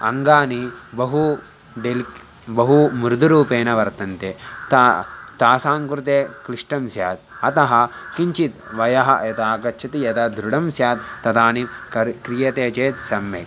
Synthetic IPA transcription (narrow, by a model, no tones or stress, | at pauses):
ɐ̰ŋɡaːnibɐɦu | ɖelk | bɐɦumɾd̪uɾuːpeːnɐʋɐɾt̪ɐnt̪et̪ːt̪aːsaːŋkɾut̪eːkɾiʂʈɐmsja̰ːt̪̚ɐt̪ɐɦɐ̆kiɲt͡ʃit̪ʋɐjɐɦɐ̰jɐt̪aːkɐtt͡ʃʰɐt̪ijɐt̪ɐd̪ɾuɽɐmsjaːt̪ːɐt̪aːniɐkɾijɐt̪eːt͡ʃeːt̪sɐmːeːk